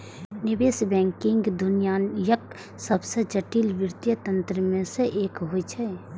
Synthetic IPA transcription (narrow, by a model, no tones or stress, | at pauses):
nɪbeːsbɛ̃ːŋkɪ̃ŋɡd̪ʊnijaːnjək | səbsed͡ʒəʈiːlʋɪɾt̪jət̪ə̃nt̪ɾəmẽseʔeːkɦoit͡ʃʰɛ